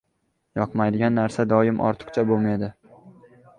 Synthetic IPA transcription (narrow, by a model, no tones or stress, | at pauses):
jɒqmajd̪ɪɡʲanːaɾsad̪ɒjɪmʔɒ̰ɾt̪ʰɨ̥qt͡ʃʰabolmajd̪ɪ